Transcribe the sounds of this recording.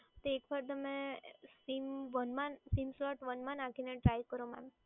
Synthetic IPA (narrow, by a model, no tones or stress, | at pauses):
t̪oekʋaɾt̪̬əmẽsimʋənmãnsimslɔʈʋənmãnãkʰineʈɾajkəɾoma̰m